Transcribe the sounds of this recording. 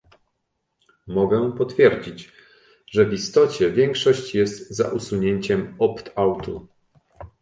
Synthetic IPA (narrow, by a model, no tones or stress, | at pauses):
mɔɡɛpɔt̪fʲjɛɾd͡ʑid͡ʑ | ʐɛvist̪ɔt͡ɕɛvʲjɛŋkʂɔɕt͡ɕjɛst̪za̰ʔusuɲeɲt͡ɕɛmɔpt̪awt̪u